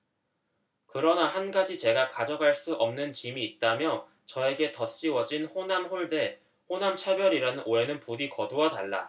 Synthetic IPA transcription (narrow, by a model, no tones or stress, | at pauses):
kɯɾʌnahanɡad͡ʑit͡ɕe̞ɡakad͡ʑʌɡaɭs͈uʔʌmnɯnt͡ɕimiːt̚t͈amjʌ | t͡ɕʌe̞ɡe̞tʌt͡ɕ͈iwʌd͡ʑinɸonamɸoɭde̞ | honamt͡ɕʰabjʌɾiɾanɯnʔoe̞nɯnpuɾikʌduwataɭːa̰